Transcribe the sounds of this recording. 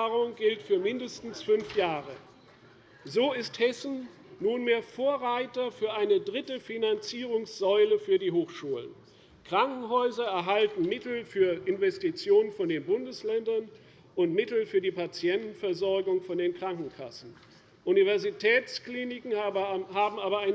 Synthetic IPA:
ʁʊŋɡɪltfyːɐmɪndəstn̩sfʏnfjaːʁə | zoːɪsthɛsn̩ | nuːnmeːɐfoːɐʁaɪtɐfyːɐʔaɪnədʁɪtəfinant͡siːʁʊŋsz̥ɔʏləfyːɐdiːɦoːxʃuːlə̰n | kʁ̥aŋkŋ̩ɦɔʏzɐɛɐɦaltn̩mɪtl̩fyːɐʔɪnvɛstit͡sjoːnənfɔndeːnbʊndəslɛndɐn | ʔʊntmɪtl̩fyːɐdiːpat͡sjɛntn̩fɛɐzɔɐɡʊŋfɔndeːnkʁ̥aŋkŋ̩kʰa̰sn̩ | ʔunivɛɐzitʰɛːt͡skliːnɪkŋ̩haːbm̩ʔaːbɐaɪn

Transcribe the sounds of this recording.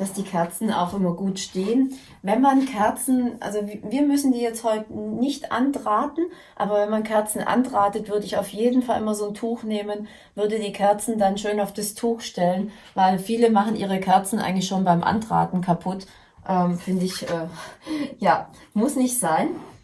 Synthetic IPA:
d̥asd̥iːkʰɛɐt͡sn̩a̰ʊxʔɪmɐɡuːtʃteːən | vɛnmankʰɛɐt͡sn̩ʔa̰lzoviːɐmʏsn̩diːjɛt͡sthɔʏtənɪçtʔa̰ndʁaːtn̩ | ʔa̰ːbɐvɛnmankʰɛɐt͡sn̩ʔa̰ndʁaːtətv̥ʏɐdəɪçaʊfjeːdn̩falʔɪmɐzoːntʰuːxneːmən | vʏɐdədiːkʰɛɐt͡sn̩danʃøːnaʊfd̥astʰuːxʃtɛlən | vaɪlfiːləmaχn̩ʔḭːʁ̞əkʰɛɐt͡sn̩ʔa̰ɪɡŋ̩lɪçʃoːnbaɪmʔa̰ndʁa̰ːtn̩kʰapʰʊt | ʔɛːmfɪndəɪçʔɛː | jaː | mʊsnɪçtz̥aɪn

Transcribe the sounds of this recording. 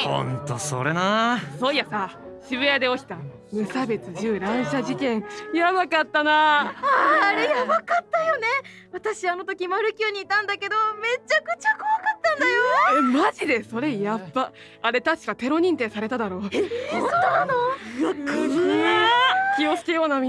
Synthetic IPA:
hõ̰nt̪o̰so̰ɾe̞naso̞jasaɕiβɯ̟jad̪e̞okʲi̥t̪a | mɯ̟sabe̞t͡sɨʑɨːɾãɰ̃ɕaʑikẽ̞ŋjaβakat̪ːana | aɾejabakat̪ːajo̞ne̞ | βat̪aɕiano̞t̪o̞kʲimaɾɯ̟kʲɨːɲ̟iːt̪ãnd̪ake̞d̪o̞me̞t͡ɕːakɯ̟t͡ɕakoβakat̪ːãnd̪ajomaʑid̪e̞so̞ɾe̞japːa | aɾe̞t̪aɕi̥kat̪e̞ɾo̞ɲ̟ĩnt̪e̞saɾe̞t̪ad̪aɾo̞ː | t̪oanoakː | kʲio̞t͡sɨ̥ke̞jo̞ːnamʲi

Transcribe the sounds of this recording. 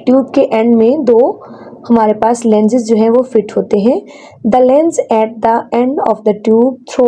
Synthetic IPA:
ʈjuːb̚keʔɛ̃ɳɖmẽd̪oː | hɐmaːɾepaːslɛ̃ːnd͡ʒɪzd͡ʒoːɦɛ̃ʋofɪʈɦoːt̪eɦɛ̃ | d̪əlɛ̃nd͡ʒɛːʈ̚d̪əɛ̃ɳɖɔːfd̪əʈjuːb̚t̪ʰɾo

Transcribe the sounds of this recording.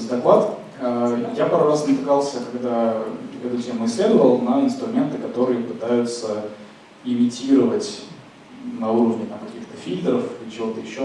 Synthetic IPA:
d̪ɐklˠat̪ | əjapaɾrasnət̪ɨkalˠsʲəkɐɡd̪aɛt̪ʊtʲemʊɪsʲlʲe̞d̪əvəlˠnəɪnst̪ɾʊmʲe̞nt̪ɨkɐt̪o̞ɾɨjəpɨt̪ajʊt̪sə | ɪmʲɪtʲiɾəvətʲ | nɐuɾəvnʲɪt̪amkɐkʲixt̪əfʲilʲd̪ɾəfit͡ɕɪvo̞t̪əjɪɕːo

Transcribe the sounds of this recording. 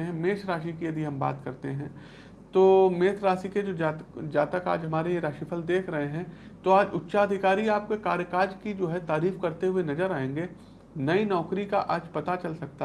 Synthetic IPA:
ɦɛ̃meːt̪ʰɾaːʃikiɐd̪ʱiɦɐ̃mba̰ːt̪kɐɾt̪eɦɛ̃ː | t̪oːmeːt̪ʰɾaːsiked͡ʒoːd͡ʒaːd͡ʒaːt̪əka̰ːd͡ʒɦɐmaːɾejeɾaːʃipʰəld̪eːkʰɾɐɦeɦɛ̃ | t̪oaːd͡ʒʊtːʃaɐd̪ʱɪkaːɾiaːp̚kekaːɾjəkaːd͡ʒkid͡ʒoːɦɛt̪aːɾiːfkɐɾt̪eɦʊenɐzəɾaːẽːŋɡe | nɐinɔːkɾika̰ʔaːd͡ʒpɐt̪at͡ʃɐlsɐk̚t̪a

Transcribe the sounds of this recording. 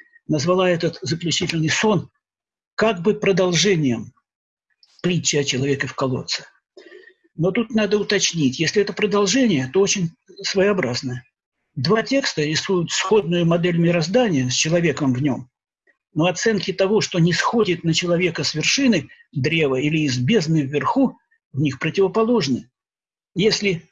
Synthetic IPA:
nəzvɐlˠaɛt̪ət̪zəklʲʉt͡ɕitʲɪlʲnɨjso̞n | kaɡ̚bɨpɾəd̪ɐlˠʐɛnʲɪjəm | plʲit͡ɕːɐt͡ɕɪlˠɐvʲe̞kəfkɐlˠo̞̰t̪sɨ̥ | no̞t̪ut̪nad̪əʊt̪ɐt͡ɕnʲitʲjesʲlʲɪɛt̪əpɾəd̪ɐlˠʐɛnʲɪjət̪o̞ot͡ɕɪnʲ | svəjɐbɾaznə | d̪vatʲe̞kst̪əɾʲɪsujʊt̪sxo̞d̪̚nʊjʊmɐd̪ɛlʲmʲɪɾɐzd̪anʲɪjəsʲt͡ɕɪlˠɐvʲe̞kəmvnʲo̞m | no̞ɐt̪sɛnkʲɪt̪ɐvo̞ʂt̪o̞nʲɪsxo̞dʲɪt̪nət͡ɕɪlˠɐvʲe̞kəsvʲɪrʂɨnɨ | d̪ɾʲe̞vəilʲɪɪzbʲe̞znɨvːʲɪrxu | vnʲixpɾətʲɪvəpɐlˠo̞ʐnɨ | jesʲlʲɪ

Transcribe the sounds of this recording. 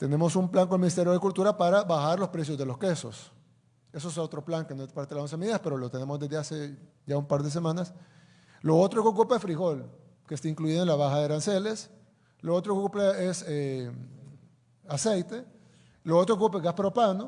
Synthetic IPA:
t̪e̞ne̞mo̞sumplaŋkoelminist̪eɾjoðekult̪uɾapaɾaβaxaɾlo̞spɾe̞s̬jozðe̞lo̞skeso̞̰s | e̞s̬oesot̪ɾo̞plaŋkenopaɾt̪elaonsemeðiðaspe̞ɾolo̞t̪e̞ne̞mozd̪e̞zd̪ease | ʝaumpaɾðe̞s̬e̞mãnas | loot̪ɾoeokupaesfɾiɣo̞l | kest̪aiŋkluiðoenlaβaxaðeɾanseles | loot̪ɾokupaese | asejt̪e̞ | loot̪ɾokupeɣaspaɾopano

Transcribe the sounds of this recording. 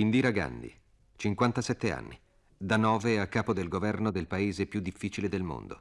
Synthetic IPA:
ind̪iɾaɡa̰nd̪ḭ | t͡ʃiŋkwant̪asɛt̪ːea̰nːi | d̪anɔːveakːaːpod̪elɡovɛrnod̪elpaeːzepjud̪ːifːiːt͡ʃiled̪elmo̰nd̪o̰

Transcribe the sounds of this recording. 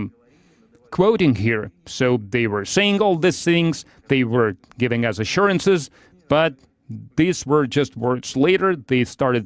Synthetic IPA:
kʰw̥oʊɾɪ̃ŋhiɹsoʊðeɪwə˞seɪɪ̃ŋɔlˠðɪsθɪ̃ŋz̥ | ðeɪwə˞ | ɡɪvɪ̃ŋɨzɨʃʊɹɨ̃nsɨz | b̥ʌt̪̚ | ðizwə˞d͡ʒʌst̚wɜ˞dz̥leɪɾə˞ðeɪstɑɹɾɨd̚

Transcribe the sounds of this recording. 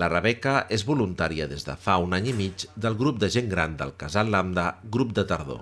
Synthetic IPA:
lərəβɛkəʔezβulunt̪aɾiəðezðə̰faunaɲimid͡ʒd̪əlˠɣɾup̚d̪əʒeŋɡɾand̪ə̰lˠkazaland̪əɣɾup̚d̪ət̪əɾðo̰

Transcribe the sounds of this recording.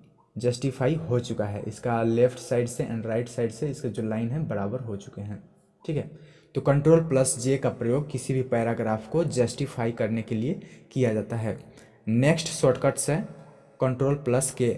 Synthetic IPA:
d͡ʒəsʈipʰaːiɦot͡ʃʊkaɦɛ̰ːʔɪskalepʰʈʰsaːɪɖseʔɛ̰̃ɳɖɾaːɪʈsaːɪɖseɪsked͡ʒolaːɪnɦɛ̃bəɾaːbəɾɦot͡ʃʊ̥keɦɛ̃ː | ʈʰiːkɦɛ | t̪okə̃ɳʈɾoːlpləsd͡ʒekapɾəjoːɡ̚kɪsibʱipɛːɾaɡɾaːpʰkod͡ʒəsʈipʰaːikɐɾnekeliekijad͡ʒaːt̪aɦɛː | neːksʈsoːʈkəʈse | kə̃ɳʈɾoːlpləske

